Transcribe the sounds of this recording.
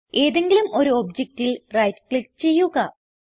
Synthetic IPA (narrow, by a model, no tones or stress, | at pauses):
e̞ːðe̞ŋɡilumo̞ɾuobd͡ʑek̚tːilrɐjtklikt͡ɕe̞jːuɣɐ